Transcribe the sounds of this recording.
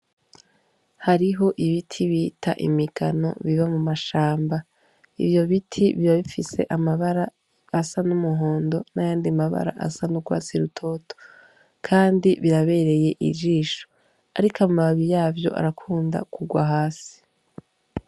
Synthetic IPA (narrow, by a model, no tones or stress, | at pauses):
haɾiɦo̞ʔiβitʰiβitʰa̰ʔḭmikʰano̞̰βiβamumaʃaːmba | ḭvjo̞βitʰiβiβaβifise̞ʔamaβaɾaː | sanumuɦo̞ːndo̞najaːndimaβa̰ɾa̰ʔa̰sanuɡwa̰ːt͡siɾutʰo̞ːto̥ | kʰaːndiβiɾaβe̞ːɾe̞je̞ʔḭd͡ʒiːʃo̥ | aɾikamaβaβijaːvjo̞̰ʔa̰ɾakʰuːnda̰kʰuɡwaɦaːsi̥